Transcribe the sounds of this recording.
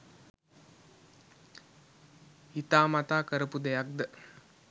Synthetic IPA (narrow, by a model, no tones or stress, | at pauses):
it̪aːmat̪aːkəɾəpud̪ɛjak̚d̪ə